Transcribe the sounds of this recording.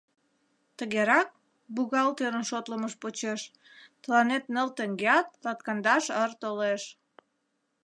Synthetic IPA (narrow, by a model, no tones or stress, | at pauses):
t̪əɣeɾɑk̚ | buɣɑlt̪øɾənʃot̪ləməʃpot͡ɕeʃ | t̪əlɑnet̪nəlt̪əŋɡeɑt̪̚lɑt̪̚kɑnd̪ɑʃərt̪oleʃ